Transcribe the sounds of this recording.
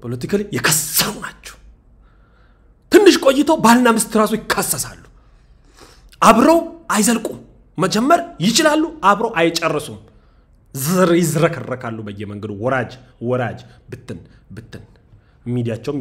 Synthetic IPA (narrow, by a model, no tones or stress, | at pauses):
pʰolət̪ikʰəlejɛkʰəsəɾunat͡ʃːɛ̥w | t̪ʰɨnːɨʃkʼo̞jːɪt̪ʰowbalnamɨst̪ʰɨɾasujɪkʰːasːəsalːu̥ | ʔaβɾəwʔajzəlkʼu | məd͡ʒɛmːəɾjɪt͡ʃɪlalːuʔaβɾəwʔajt͡ʃʼɛrːəsum | jɪzɾəkʰərːəkʰalːubəjːɛməŋɡəd̪uwɔɾad͡ʒ | wɔɾad͡ʒbɨt̪ʰːɨnbɨt̪ːɨn | mid̪ijat͡ʃːɛwm